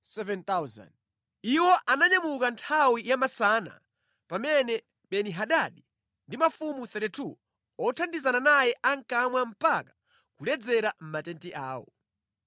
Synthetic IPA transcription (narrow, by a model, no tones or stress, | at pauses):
sɛvɛnt̪awza̰nd | iwɔʔanaɲamukantʰawijamasaːna̰ | pamɛnɛ | ɓɛniɦaɗaɗi | ndimafumuθɛtitʰu | ɔtʰandizananajɛʔaŋkamwam̩pakḁ | kulɛd͡zɛɾam̩matɛntiʔaːwɔ̰